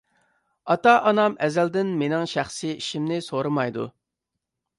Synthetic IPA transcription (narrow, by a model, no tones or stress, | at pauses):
ɑt̪ɑʔɑnɑmɛzɛld̪ɪnmenɪŋʃæχsɪiʃimnɪsoɾɨmɑjd̪ṵ